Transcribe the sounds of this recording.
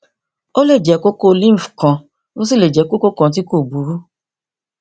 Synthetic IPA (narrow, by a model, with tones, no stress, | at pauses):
o˦le˦˨d͡ʒɛ˨˦ko˦ko˦˧lĩ˦m̩˨fkã˧ | no˦si˦˨le˨d͡ʒɛ˨˦ko˦ko˦kɔ̃˨˧t̬i˦ko˦˨bu˨˦ɾu˦